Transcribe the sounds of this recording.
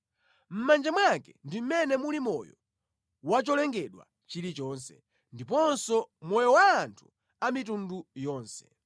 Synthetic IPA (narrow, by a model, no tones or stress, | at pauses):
m̩mand͡ʒamwakɛndim̩mɛnɛmulimɔ̰jɔ | wat͡ʃɔlɛŋɡɛɗwa̰ | t͡ʃilit͡ʃɔːnsɛ | ndip̬ɔnsɔmɔjɔwaːntʰu | amitundujɔːnsɛ̥